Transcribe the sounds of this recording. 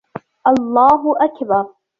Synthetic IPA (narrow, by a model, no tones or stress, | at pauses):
ʔɑlˤːaːɦʊʔakbɑɾˤ